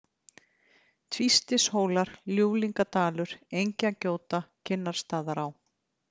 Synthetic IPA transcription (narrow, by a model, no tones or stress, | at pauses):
t̪ʰvist̪ɪshoːwlaɾ̥ljuːwliŋkat̪aːlʏɾ̥ejɲcacoːwt̪acʰɪnːaɾ̥st̪aːðaɾaw